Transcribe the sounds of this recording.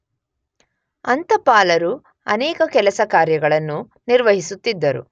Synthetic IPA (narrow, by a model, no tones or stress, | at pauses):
ɐnt̪ɐpaːlɐɾu | ɐ̰nɛːkɐkɛlɐsɐkaːɾjɐɡɐɭɐnːu | niɾʋɐɦisut̪ːid̪ːɐɾṵ